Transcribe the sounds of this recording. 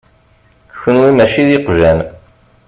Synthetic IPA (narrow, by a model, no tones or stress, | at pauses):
çənwimæʃiðiqʒæn